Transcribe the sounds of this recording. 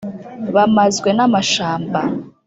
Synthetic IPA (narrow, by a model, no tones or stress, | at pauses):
βamazɡwe̞namaʃaːmba